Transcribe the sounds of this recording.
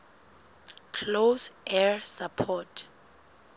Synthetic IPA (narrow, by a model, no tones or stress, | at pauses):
kʰlosɛɹsapʰɔtʰ